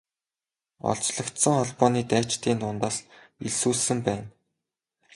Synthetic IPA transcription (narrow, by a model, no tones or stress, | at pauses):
ɔ̰ɮt͡ɕɮɞ̆kt̪sə̆ŋχɔɮpɔːniːt̪æːt͡ɕt̪iːnt̪ʊːnt̪aːs | iɮsuːɮsɘ̆mpæːn